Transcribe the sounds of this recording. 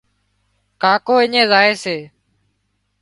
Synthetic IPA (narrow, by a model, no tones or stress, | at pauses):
kaːkoːɪɲẽːzaːeːseː